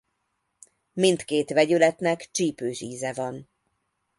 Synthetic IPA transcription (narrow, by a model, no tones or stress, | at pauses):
mint̪keːt̪ʋɛɟylɛt̪nɛkt͡ʃiːpøːʃiːzɛvɒn